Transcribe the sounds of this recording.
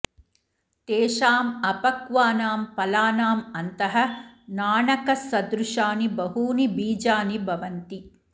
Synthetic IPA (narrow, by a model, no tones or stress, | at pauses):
t̪eːʃaːmɐpɐkʋaːnaːmpɐlaːnaːmɐnt̪ɐɦɐ̆naːɳɐkɐsɐd̪ɾuʂaːnibɐɦuːnibiːd͡ʒaːnibʱɐʋɐnt̪i